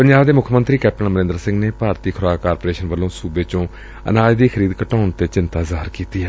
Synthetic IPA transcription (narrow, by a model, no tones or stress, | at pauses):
pəɲd͡ʒaːbd̪eːmʊkʰmənt̪ɾiːkɛːp̚ʈənməɾɪ̃nd̪ɾsɪ̃ŋɡneːpaːɾt̪iːkʰʊɾaːkaːɾpoːɾeːʃənʋəlõːsuːbeːt͡ʃõː | ə̰naːd͡ʒd̪iːkʰəɾiːd̪kəʈaːʊnt̪eːt͡ʃɪnt̪aːzaːəɾkiːt̪iːɦɛː